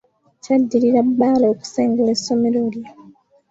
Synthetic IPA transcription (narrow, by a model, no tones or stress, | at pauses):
cadːiliɾabːaːlooːku̥seːŋɡelesːo̞meloli